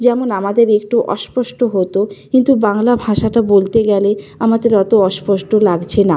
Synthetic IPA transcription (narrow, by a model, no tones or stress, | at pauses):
d͡ʑɛmonamad̪eɾek̚ʈuʔɔ̰ʃpɔʃʈoɦot̪okkint̪ubaŋlabʱaʃaʈabolt̪eɡɛleamad̪eɾɔt̪oɔʃpɔʃʈolaɡt͡ɕʰena